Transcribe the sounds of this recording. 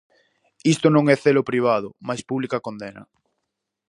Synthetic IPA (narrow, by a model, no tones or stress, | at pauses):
ist̪onõŋɛθelopɾiβ̞að̞ʊmajspuβlikakond̪enɐ̰